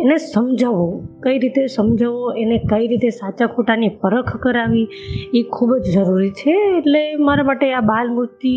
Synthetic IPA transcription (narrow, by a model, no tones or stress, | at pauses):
enesəmd͡ʒʱaʋokəiɾit̪esəmd͡ʒʱaʋoenekəiɾit̪esat͡ʃakʰoʈanipəɾəkʰkəɾaʋi | ekʰubd͡ʒd͡ʒəɾuɾit͡ʃʰeːʈlemaɾamaʈeabalmud͡ʒt̪i